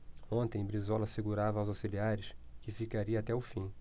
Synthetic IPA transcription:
õnt̪ẽj̃bɾizɔlɐseɡuɾavɐːwzawsiliaɾɪʃkɪfikaɾiɐːt̪ɛʊfĩ

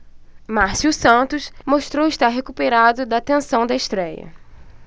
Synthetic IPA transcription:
maɾsuwsɐ̃t̪ʊsmoʃt̪ɾowɪʃt̪aɾɦekupeɾad̪ʊd̪ɐt̪ẽsɐ̃w̃d̪ɐeʃt̪ɾɛjɐ̰

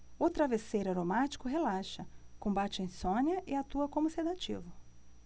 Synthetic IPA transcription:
ʊt̪ɾavesejɾaɾomat͡ʃi̥kʊɦelaʃɐkõbat͡ʃɪẽj̃sõnjɐʔɪat̪uɐkõmʊsed̪at͡ʃḭvʊ

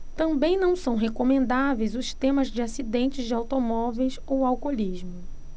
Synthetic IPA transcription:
t̪ɐ̃mbẽj̃nɐ̃w̃sɐ̃w̃ɦekomẽnd̪avejzʊst̪ẽmɐzd͡ʒɪasid̪ẽnt͡ʃɪzd͡ʒɪawt̪omɔvejsowawkoliʒmʊ

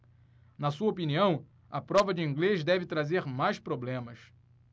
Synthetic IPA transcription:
nɐsuɐopiniɐ̃w̃ | ɐpɾɔvɐd͡ʒɪĩŋɡleʃd̪ɛvɪt̪ɾazeɾmajspɾoblẽmɐs

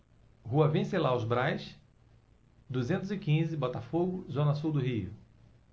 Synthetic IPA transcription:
huɐvẽselawzbɾajs | d̪uzẽnt̪ʊzɪkĩzɪbɔt̪afoɡʊzõnɐsuwd̪ʊɦiʊ̰

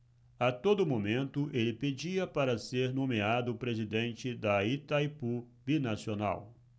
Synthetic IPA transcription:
at̪od̪ʊmomẽnt̪ʊʔelɪped͡ʒiɐpaɾɐseɾnõmead̪ʊpɾezid̪ẽnt͡ʃɪd̪ɐit̪ajpu | binasiona̰w

